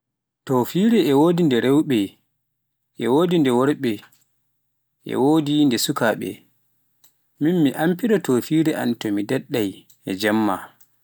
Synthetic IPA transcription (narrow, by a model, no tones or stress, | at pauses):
tɔfiːɾɛɛwoːdindɛɾɛwɓɛ | ʔɛ̰woːdindɛwɔɾɓɛ | ʔɛ̰woːdindɛsukaɓɛ̰ | minmiʔampiɗɔtɔfiɾɛʔa̰ntɔmidɛɗːaj | ɛd͡ʒamːa